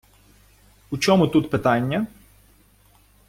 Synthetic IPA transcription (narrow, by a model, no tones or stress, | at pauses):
ut͡ʃɔmʊt̪ut̪pɪt̪ɑnʲːɐ